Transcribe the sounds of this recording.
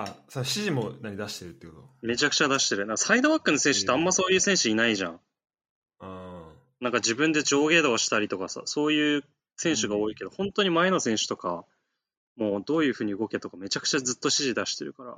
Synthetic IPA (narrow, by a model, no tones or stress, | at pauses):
asoɕiʑimo̞naɲʲid̪aɕi̥t̪eɾɯ̟t̪ːekot̪ome̞t͡ɕakɯ̟̥t͡ɕad̪aɕi̥t̪e̞ɾɯ̟nãŋkasaid̪o̞βakːɯ̟nosẽ̞ɰ̃ɕɨ̥t̪ːeãmːaso̞ːjɯ̟ːsẽ̞ɰ̃ɕɨinaiʑã̰ŋ̃ | a | nãŋkad͡ʑibɯ̟̃nd̪e̞d͡ʑo̞ːɡe̞ːd̪oːɕi̥t̪aɾʲit̪o̞kasa̰so̞ːjɯ̟ː | sẽ̞ɰ̃ɕɨɡao̞ːike̞d̪o̞hõ̞nt̪o̞ɲ̟imae̞no̞sẽ̞ɰ̃ɕɨ̥t̪o̞ka | mo̞ːd̪o̞ːjɯ̟ːɸɯ̟ːɲ̟iɯ̟ɡo̞ket̪o̞kame̞t͡ɕakɯ̟̥t͡ɕad͡zzɨt̪ːo̞ɕiʑid̪aɕi̥t̪e̞ɾɯ̟kaɾa̰